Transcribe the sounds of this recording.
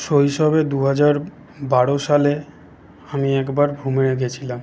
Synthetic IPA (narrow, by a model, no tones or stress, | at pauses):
ʃoɦiʃɔbed̪uɦad͡ʑaɾ | baɽoʃale | amiɛkbaɾbʱumeɾeɡet͡ɕʰilam